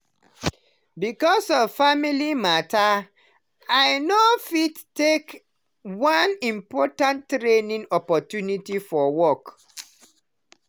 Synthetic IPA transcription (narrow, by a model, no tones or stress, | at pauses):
bikɔsɔfamilimata | ajnofidtek | wãnĩmpɔtãntɹenĩŋɔpɔtjunitifɔwɔk